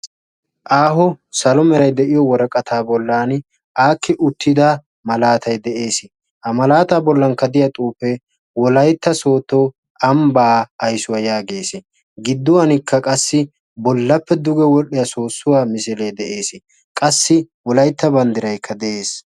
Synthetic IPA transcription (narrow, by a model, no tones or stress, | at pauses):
ʔaːɦɔsɐlɔmɛɾɐjd̪ɛʔɪjɔwɔɾɐkʼɐt̪ʰaːbɔlːaːn | ʔaːkːɪʔʊt̪ːɪd̪a | mɐlaːt̪ɐjd̪ɛʔe̞ːsɪ | hɐmɐlaːt̪aːbɔlːɐnkɐd̪ɪjɐt̪ʼuːfɛ | wɔlɐjt̪ːɐso̞ːt̪ːoː | ɐmbaːjsʊwɐjaːɡe̞ːsɪ | ɡɪd̪ːʊwɐnɪkʰːɐkʼɐsːɪ | bɔlːɐpːɛd̪ʊɡɛwɔɗɪjɐsoːsːʊwaːmɪsɪleːd̪ɛʔe̞ːsɪ | kʼɐsːɪ | wɔlɐjt̪ːɐbɐnd̪ɪɾɐjkʰːɐd̪ɛʔe̞ːs